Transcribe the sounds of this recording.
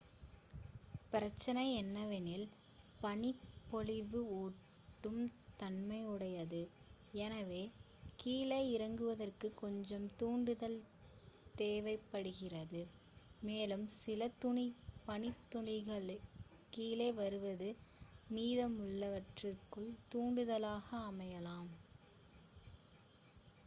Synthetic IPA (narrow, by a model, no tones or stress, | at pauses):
pɪɾɐt͡ʃːɐnɐɪɛnːɐʋɪnɪl | pɐɳɪpːɔlɪʋɯoː | ʈːɯmt̪ɐnmɐɪʊɽɐjɐðɯ | ɛnɐʋeː | kiːlɐɪɪɾɐŋɡɯʋɐðɐrkɯkːɔɲd͡ʒɐmt̪uːɳɖɯðɐl | t̪eːʋɐɪpːɐɽɯɣɪrɐðɯ | meːlɯmsɪlɐt̪ʊɳipɐnɪt̪ːʊɳɪɣɐɭ | kiːlɐɪʋɐɾɯʋɐðɯmiːðɐmʊɭːɐʋɐʈrɪrkɯɭt̪uːɳɖɯðɐlaːɣɐːmɐjɐlaːm